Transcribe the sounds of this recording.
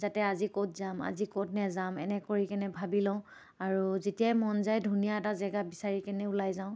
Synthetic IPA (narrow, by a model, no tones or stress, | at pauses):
zatɛazikot̚zama̰zikot̚nɛzamɛnɛkoɹikɛnɛbʱabilɔ̃ʊ̃ | aɹuzetijajmɔnzajdʱunijaɛtazɛɡabisaɹikɛnɛulajzãʊ̃